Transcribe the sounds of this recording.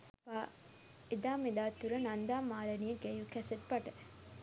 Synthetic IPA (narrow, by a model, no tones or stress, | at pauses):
paː | ed̪aːmed̪aːt̪ːuɾɐnɐnd̪aːmaːɾɐniəɡejukɛseʈ̚pɐʈə